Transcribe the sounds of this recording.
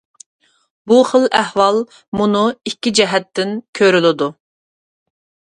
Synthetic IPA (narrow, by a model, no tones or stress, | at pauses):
buχəlæhwɑlˠ | munuikʲːid͡ʒɛɦɛt̪ʰːɪnkʲʰøɾylɪd̪u